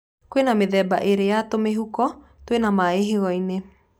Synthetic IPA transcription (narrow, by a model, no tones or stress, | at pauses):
kowenameðɛːbaʔeɾejatomeɦukɔ | twenamaeɦeɣɔine